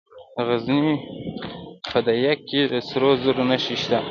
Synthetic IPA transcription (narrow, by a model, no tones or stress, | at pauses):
ɣazni | pʰad̪ajakːed̪əsɾozəɾonaʃiʃt̪a